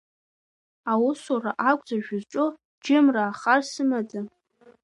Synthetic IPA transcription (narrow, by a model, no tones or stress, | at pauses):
awʊsoraʔakʷʼd͡zaʒᶣʊzʈ͡ʂʼo | d͡ʒɪmraːχarsɨmad͡za